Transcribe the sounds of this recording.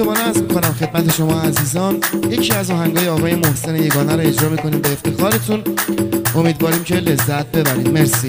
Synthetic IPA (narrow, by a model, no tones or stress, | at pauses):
obɒːnæɾzmikʰonæmxe̞d̪̚mæt̪ʰe̞ʃo̞mɒːæziːzɒːnjecʰiːæzɒːɦæŋɡɒːjeɒːɣɒːje̞mohse̞neje̞ɡɒːnæɾoe̞d͡ʒɾɒːmiːko̞niːmbeːft̪ʰexɒːɾe̞t̪ʰunʔomiːd̪vɒːɾiːmcʰe̞le̞zːæt̪̚ʰbe̞bæɾiːd̪meɾsiː